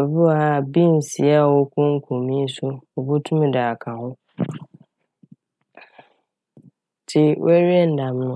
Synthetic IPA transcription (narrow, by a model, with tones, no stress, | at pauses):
a˨bʊ˦a˨a˦˨bi˦n˨si˨a˦wʊ˦kʊ̃˦ŋ˦kʰo˨mi˦sʊ˦ʊ˨bʊ˦tʰu˦mɪ˨daː˨kʰa˨ɣʊ˦ | tʰɪ˦wʔɛ˦ɾi˦ɛ˦n˦da˨m˦nʊ˦